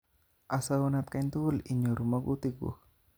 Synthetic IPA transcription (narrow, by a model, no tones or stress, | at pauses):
ʔasaunat̪̚kaint̪uliɲoɾumaɡut̪iɡṵh